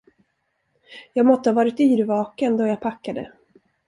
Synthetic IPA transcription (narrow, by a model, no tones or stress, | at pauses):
jɑːɡmɔt̪ːəhavɑːɾɪt̪yːɾvɑːkənd̪ɔjɑːɡ̚pʰakːad̪ə̰